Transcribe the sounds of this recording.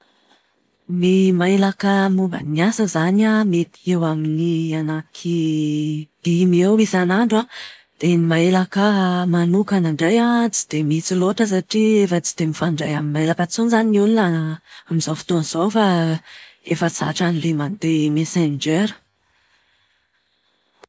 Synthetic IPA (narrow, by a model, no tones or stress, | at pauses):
mimaelakəmuba̰niasəzanamet̪i̥ewaminianakʰi | d̪̥imewisanaɳɖ͡ʐa | d̪̥enimaelakəmanukanaɳɖ͡ʐejat͡si̥d̪̥emit͡siloʈ͡ʂəs̬aʈ͡ʂiefat͡si̥d̪̥emifaɳɖ͡ʐajaminmaelakət͡sonzaniununaamizawfi̥t̪onz̥owfa | efət͡sa̰ʈ͡ʂanilemand̪emesend͡ʒeɾə̥